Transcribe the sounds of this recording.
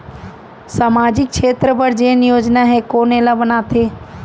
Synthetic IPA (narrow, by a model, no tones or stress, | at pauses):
saːmaːd͡ʒɪk̚ʃʰeːt̪ɾəpəɾd͡ʒeːnɪjoːd͡ʒnaɦɛkoːnelaʋənaːt̪ʰeː